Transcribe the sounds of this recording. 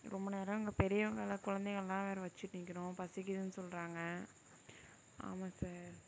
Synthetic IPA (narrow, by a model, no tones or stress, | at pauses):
ɾɔmbɐneːɾɐɪŋɡɐpɛɾɪjɐʋɐŋɡɐɭɐkʊɻɐnd̪eɣɐɭɛlãːʋeːɾɐʋɐt͡ʃːɪʈːnɪkːɪɾõːpɐsɪkːɪðɯnɯsɔlɾaːŋɡɐ | a̰ːmaːsaːɾ